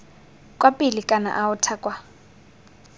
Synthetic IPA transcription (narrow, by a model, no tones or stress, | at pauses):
kʼwapʼilikʼana̰ʔawʊtʰakʼwa